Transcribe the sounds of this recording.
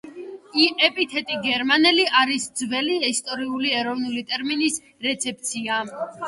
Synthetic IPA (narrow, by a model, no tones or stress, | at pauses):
iʔɛpʼit̪ʰɛt̪ʼiɡɛɾmanɛliʔaɾisd̪zvɛliɛst̪ʼɔɾiuliɛɾɔvnulit̪ʼɛɾminis | ɾɛt̪sʰɛp̚ʼt̪sʰia